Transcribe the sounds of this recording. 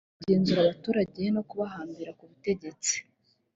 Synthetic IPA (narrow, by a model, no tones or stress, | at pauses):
ɟe̞ːnzuɾaβatuːɾaɟe̞no̞kuβaɦaːmbiɾakuβute̞ɟe̞t͡si̥